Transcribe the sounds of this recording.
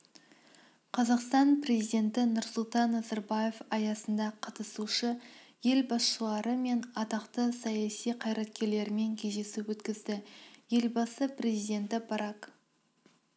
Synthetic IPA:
qʰɑzɑqst̪ɑnpre̞zijd̪ʲe̞nt̪ɪnʊɾsʊlˠt̪ɑnːɑzɑɾbaje̞fɑjɑsənd̪ɑqʰɑt̪əsuʃəje̞lbɑsʃəlˠɑɾəme̞nɑt̪ɑqt̪əsɑjɑsijqʰɑjɾɑt̪̚kʲe̞ɾle̞ɾɪme̞ŋkʲʰeʒe̞sɪwɵt̪kʲɪzd̪ɪje̞lbɑsəpre̞zijd̪e̞nt̪ɪbɑɾɑk

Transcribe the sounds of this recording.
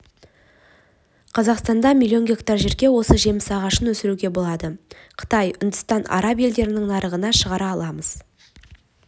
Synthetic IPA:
qʰɑzɑqst̪ɑnd̪ɑmʲilʲːio̞nɡʲe̞kt̪arʒe̞ɾkʲewo̞səʒe̞mɪsɑʁɑʃənwɵsɪɾuɡʲe̞bo̞lˠɑd̪əqʰə̥t̪ɑjʔʏnd̪ɪst̪ɑnɑ̰ɾɑbje̞ld̪e̞ɾɪnɪŋnɑɾəʁənɑʃəʁɑɾɑːlˠɑməz̥

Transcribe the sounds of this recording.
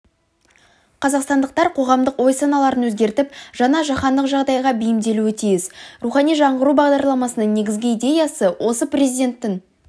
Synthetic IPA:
qʰɑzɑqst̪ɑnd̪əq̚t̪ɑɾqʰo̞ʁɑmd̪əqwo̞jsɑnɑlˠɑɾənwɵzɡʲe̞ɾt̪ɪpʒ̥ɑnɑʒɑχɑnd̪əqʒɑʁd̪ɑjʁɑbɪjɪmd̪e̞luɪt̪ʰijɪsruχɑnijʒɑɴʁəɾubɑʁd̪ɑɾlˠɑmɑsənəɴne̞ɡʲɪzɡʲɪid̪ʲe̞jɑsəwʔo̞səprʲezʲijd̪ʲe̞nt̪ːɪŋ

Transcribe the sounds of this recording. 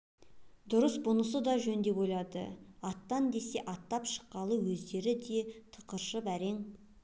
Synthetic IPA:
d̪ʊɾəsbʊnəs̬əd̪ɑʒɵnd̪e̞bojlˠɑd̪ə̰ɑt̪ːɑnd̪e̞se̞ʔɑt̪ːɑpʃə̥qːɑlˠəwɵzd̪e̞ɾɪd̪e̞t̪ʰə̥qəɾʃəpæɾe̞ŋ

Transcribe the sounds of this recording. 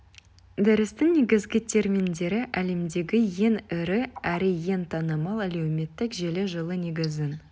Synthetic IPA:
d̪ɪɾɪst̪ɪŋne̞ɡʲɪzɡʲɪt̪ʰe̞ɾmʲind̪e̞ɾɪʔæle̞md̪e̞ɡʲɪje̞nɪɾɪæɾɪje̞nt̪ʰɑnəmɑlˠælewme̞t̪ːɪkʒe̞leʒəlˠəne̞ɡʲɪzɪn

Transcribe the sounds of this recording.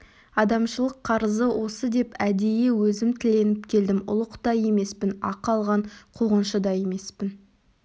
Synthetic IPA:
ɑd̪ɑmʃəlˠəqʰːɑɾəzəwo̞səd̪e̞pæd̪eje̞wɵzɪmt̪ʰɪle̞nɪpkʲʰe̞ld̪ɪmʊ̰lˠəqt̪ɑje̞me̞spɪnɑ̰qɑlˠʁɑɴqʰuʁənʃəd̪ɑje̞me̞spɪn

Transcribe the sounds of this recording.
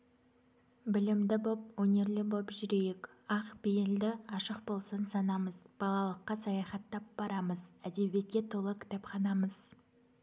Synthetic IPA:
bɪlɪmd̪ɪbo̞p̚wɵnʲe̞ɾlɪbopʒʏɾe̞jek | ɑqbejeld̪ɪɑʃəq̚bo̞lˠsənsɑnɑməz̥b̥ɑlˠɑlˠəqːɑsɑjɑχɑt̪ːɑp̚b̥ɑɾɑməzæd̪e̞bʲije̞t̪̚kʲe̞t̪ʰo̞lˠəkʲʰɪ̥t̪ɑpχɑnɑməz

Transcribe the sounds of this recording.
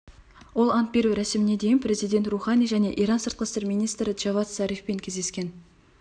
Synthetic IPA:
wo̞lˠɑnt̪̚be̞ɾuɾæsɪmɪne̞d̪e̞jɪnpʰɾe̞zijd̪e̞nt̪ruχɑnijʒæne̞ʔiɾɑnsəɾt̪̚qəst̪e̞ɾmijnijst̪ɾɪdʒ̥ɑvɑt̪sɑɾifpe̞ŋkʲʰezd̪eskʲe̞n

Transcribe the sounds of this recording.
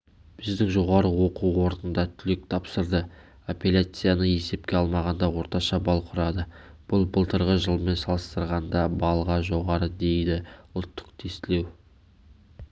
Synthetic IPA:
b̥ɪzd̪ɪŋʒo̞ʁɑɾəwo̞quwwo̞ɾnənd̪ɑt̪ʰʏlek̚t̪ʰɑpsəɾd̪ə | opʲelʲat̪sɨjanəe̞se̞p̚kʲe̞ɑlˠmɑʁɑnd̪ɑwo̞ɾt̪ɑʃɑbɑlˠqʰʊɾɑd̪ə | b̥ʊlˠbəlˠt̪əɾʁəʒəlˠme̞nsɑlˠəst̪əɾʁɑnd̪ɑbɑlˠəʁɑʒo̞ʁɑɾəd̪e̞jd̪ɪʊlˠt̪ːə̥qt̪ʰe̞st̪ɪle̞w

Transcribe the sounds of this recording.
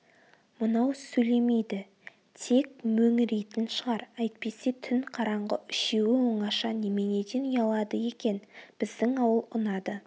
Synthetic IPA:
mənɑwsɵjle̞me̞jd̪ɪ | t̪ʰe̞k̚mɵŋɪɾejt̪ɪnʃəʁɑɾɑjt̪̚pe̞se̞t̪ʰʏnqʰɑɾɑɴʁəʔʏʃe̞wɪwo̞ɴɑʃɑneme̞ne̞d̪enʊjɑlˠɑd̪əje̞kʲe̞nb̥ɪzd̪ɪŋɑwəlˠʊnɑd̪ə

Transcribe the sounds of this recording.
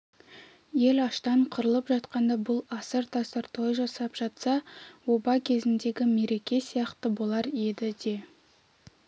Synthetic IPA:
je̞lɑʃt̪ɑɴqʰʊɾəlˠəpʒɑt̪qɑnd̪ɑbʊlˠɑsəɾt̪ʰɑst̪ɑɾt̪ʰojʒɑsɑpʒ̥ɑt̪sɑwo̞bɑkʲʰe̞zɪnd̪e̞ɡʲɪme̞ɾe̞kʲe̞sijɑqt̪əbo̞lˠɑɾje̞d̪ɪd̪e̞

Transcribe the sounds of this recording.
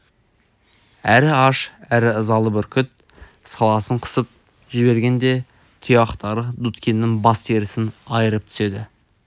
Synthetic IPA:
æɾɪɑʃæɾɪəzɑlˠəbɪɾkʲʰʏt̪̚ | sɑlˠɑsəɴqʰə̥səp̚ | ʒɪbe̞ɾɡʲe̞nd̪e̞ | t̪ʰijɑqt̪ɑɾəd̪ut̪kʲenːɪŋbɑst̪ʰeɾɪsɪnɑjəɾəp̚t̪ʰʏ̥se̞d̪ɪ

